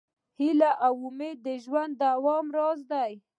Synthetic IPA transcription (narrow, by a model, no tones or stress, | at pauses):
hilaʔawʊmed̪ːəʒwand̪ːawɑmɾɑzd̪aj